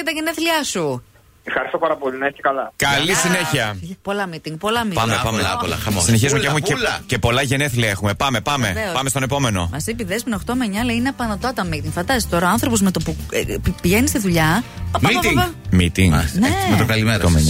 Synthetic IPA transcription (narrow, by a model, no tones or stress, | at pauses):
et̪ɐʝeneθliɐsu | efxɐɾist̪o̞pɐɾɐpo̞linɐesikɐlɐkɐlisine̞çiɐpo̞lɐmit̪iŋɡ̚po̞lɐmipɐmepɐmelɐ̰ɐmosineçizumecexumelce̞po̞lɐʝe̞neθliɐexume̞pɐmepɐme̞eopɐmest̪one̞po̞me̞no̞̰mɐsipiðespinoxt̪omeɲɐlɐineɐpɐnɐt̪ɐt̪ɐmit̪iŋɡfɐnd̪ɐst̪i̥t̪o̞ɾɐoɐ̃nθɾo̞po̞zmet̪opupiʝenist̪iðuʎɐɐmɐit̪imit̪iŋnemet̪okɐlimɾo